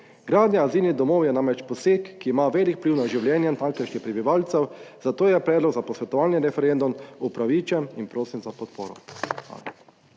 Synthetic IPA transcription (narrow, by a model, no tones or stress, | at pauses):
ɡɾaːd̪njaaziːlnid̪ɔmoːwjɛnãmɾɛt͡ʃpɔsekːiːmaʋeːlikpliwnaʒiwljɛːnjɛnt̪aŋklɛʃnixpɾɛbiʋalt̪sɛwzat̪oːjɛpɾɛːd̪lɔɡzapɔsʋɛt̪ɔʋaːlnjiɾɛfɛɾend̪umupɾaʋiːt͡ʃɛninpɾoːsimzapɔt̪poːɾɔ̰xʋa̰ːla